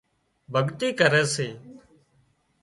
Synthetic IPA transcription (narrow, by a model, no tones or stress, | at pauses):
bʱəɠt̪iːkəɾɛːseː